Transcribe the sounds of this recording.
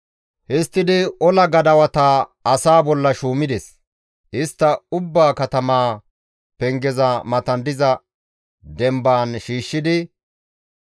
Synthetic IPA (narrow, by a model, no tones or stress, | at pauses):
hɪst̪ːɪd̪ɪɔlɐɡɐd̪ɐwɐt̪aɐsaːbɔlːɐʃuːmɪd̪ɛs | ʔɪst̪ːɐʊbːaːkɐt̪ɐmaː | pɛŋɡɛzɐmɐt̪ɐnd̪ɪzɐ | d̪ɛmbaːnʃiːʃːɪd̪ɪ